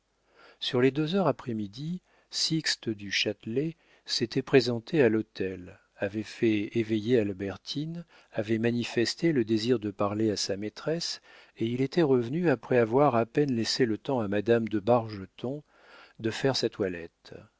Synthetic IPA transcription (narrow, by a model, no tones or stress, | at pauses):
syʁled̪øzœʁapχɛmid̪i | sikst̪əd̪yʃat̪le | set̪ʰɛpχezɑ̃t̪ealɔt̪ʰɛl | avɛfɛevejealbɛʁt̪ʰin | avɛmanifɛst̪eləd̪eziʁd̪əpaʁleasamet̪χɛs | eilet̪ʰɛʁəvnyapχɛavwaʁapɛnlɛselət̪ɑ̃amad̪amd̪əbaʁʒət̪ɔ̃ | d̪əfɛʁsat̪walɛt̪